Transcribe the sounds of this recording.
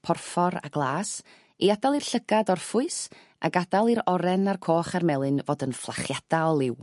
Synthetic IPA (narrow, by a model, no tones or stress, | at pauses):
pʰɔrfɔɾa̰ɡlˠaːs | iadalˠirɬəɡadɔrfʊɨs | a̰ɡadalˠiɾɔɾɛnarkʰoːχarmɛlˠɨnvoːdənflˠa̰χjad̥aɔlˠɪw